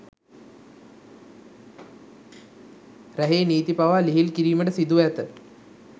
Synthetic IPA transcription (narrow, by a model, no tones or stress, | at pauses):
ɾæɦeːniːt̪ipaʋaːliɦilkiɾiːməʈəsid̪uʋæt̪ə